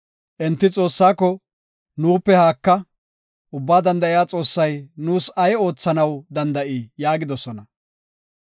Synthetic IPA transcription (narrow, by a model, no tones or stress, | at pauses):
ʔɛnt̪ːɪt͡sʼo̞ːsːaːkːɔ | nuːpːɛhaːkːɐ | ʔʊbːaːd̪ɐnd̪ɐʔɪjaːt͡sʼo̞ːsːɐjnuːsɐjo̞ːt͡sːɐnɐwd̪ɐnd̪ɐʔijaːɡɪd̪ɔsɔnɐ